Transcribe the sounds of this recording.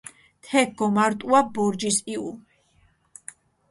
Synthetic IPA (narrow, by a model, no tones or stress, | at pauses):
t̪ʰɛɡɡɔmaɾt̪ʼuabɔɾd͡ʒisiu